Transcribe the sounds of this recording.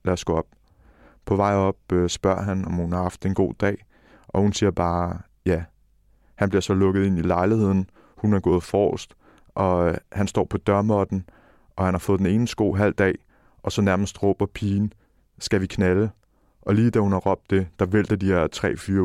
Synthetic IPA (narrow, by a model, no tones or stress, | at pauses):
læɐsɡ̥ɔ̽ɒ̽b̥̚ | pʰɒ̽ʋɑ̈ɪ̰ɒ̽b̥̚øsb̥ɶɐ̰ɦænɒmhunhɑ̈hɑ̈fd̥e̝nɡ̥o̝̰ːd̥ɛ̰ːɪ | ʔɒ̽hunsiːɐb̥ɑ̈ː | jæ | hænb̥liɐsɒ̽lɔ̽ɡ̥ð̩ˠe̝nilɑ̈ɪlihe̝ð̞̰ˠn̩ | hunæɐɡ̥ɔ̽ːð̞̩ˠfɒ̰ːsd̥ | ʔɒ̽hænsd̥ɒ̰ːpʰɒ̽d̥ɶɐmɒd̥n̩ | ʔɒ̽hænhɑ̈fɔ̽ːð̩ˠd̥ene̝ːnəsɡ̥o̝̰ːɦæl̰d̥ɛ̰ː | ʔɒ̽sɒ̽næɐməsd̥ʁɔ̰ːb̥ɐpʰiːn̩ | sɡ̥æʋikʰnælə | ʔɒ̽liːd̥æhunhɑ̈ʁɒ̽b̥̚d̥e̝d̥ɑ̈ʋel̰d̥ɐd̥ihæɐ̰t͡sʰʁɛ̰ːfyːɐ